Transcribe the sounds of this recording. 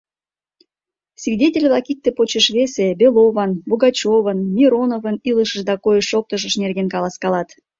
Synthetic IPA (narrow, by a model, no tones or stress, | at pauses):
svʲidʲetʲelʲβlɑkik̚t̪epot͡ɕəʃβesebeloβɑnboɣɑt͡ɕoβənmʲiɾonovəniləʃəʃd̪ɑkojəʃːok̚t̪əʃ̬əʃnerɣenkɑlˠɑskɑlɑt̪